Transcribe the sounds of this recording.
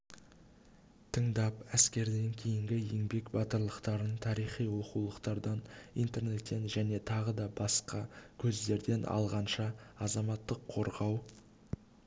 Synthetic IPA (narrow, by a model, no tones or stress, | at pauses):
t̪ʰəɴd̪ɑpæskʲe̞ɾd̪e̞ŋkʲʰe̞jɪŋɡʲɪjeŋbe̞kbɑt̪əɾlˠəqt̪ɑɾənt̪ʰɑɾijχijwoqulˠəqt̪ɑɾd̪ɑnḭjnt̪e̞ɾne̞t̪ːe̞nʒæne̞t̪ʰɑʁəd̪ɑbɑsqɑkʲʰɵzd̪e̞ɾd̪e̞nʔɑ̰lˠʁɑnʃɑɑzɑmɑt̪ːəqʰːo̞ɾʁɑw